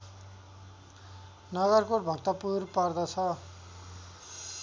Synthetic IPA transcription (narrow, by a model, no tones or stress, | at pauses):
nʌɡʌrkoʈbʱʌkt̪ʌpurpard̪ʌt͡sʰʌ